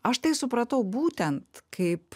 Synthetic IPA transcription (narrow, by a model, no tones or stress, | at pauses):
ɐʃt̪ɐɪsʊpɾɐt̪ɐʊbuːt̪ʲɛnt̪kʰɐɪp